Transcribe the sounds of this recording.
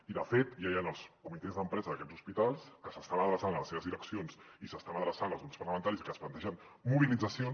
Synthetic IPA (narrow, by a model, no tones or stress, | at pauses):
iðəfet̪jajanəlˠskumit̪ezðəmpɾɛzəðəkɛdzuspit̪alˠskəsəst̪aβənəðɾəsanələseβəzðiləksionsisəst̪aβnəðɾəsanəlˠzunspərɾləmənt̪aɾisikəsplənt̪ɛʒən | muβilid͡zəsion